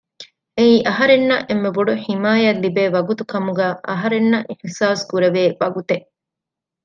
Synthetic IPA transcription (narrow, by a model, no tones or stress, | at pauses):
eiːʔɐɦɐɾenːɐʔemːeboɖuħimaːjɐlːibeːʋɐɡut̪ukɐmuɡæːʔɐ̰ɦɐɾenːɐʔiħsaːskuɾɐʋeːʋɐɡut̪eʔ